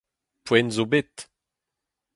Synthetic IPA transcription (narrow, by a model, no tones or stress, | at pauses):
pwɛnzobet̪